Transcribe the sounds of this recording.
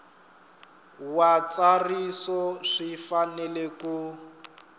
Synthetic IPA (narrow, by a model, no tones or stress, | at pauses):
wat͡sarisɔʂifanɛleku